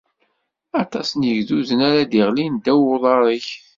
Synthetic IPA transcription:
ɑt̪ˤɑsnjəʝðuzənæɾad̪iʁlind̪æwʊðˤɑɾˤiç

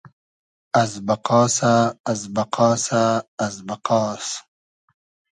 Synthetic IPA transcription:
ɐzbɐqɑːsaːzbɐqʰɑːsaːzbɐqɑːs

